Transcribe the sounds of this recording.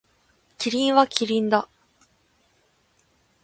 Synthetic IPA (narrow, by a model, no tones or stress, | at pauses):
kʲiɾʲĩɰ̃βakʲiɾʲĩnd̪a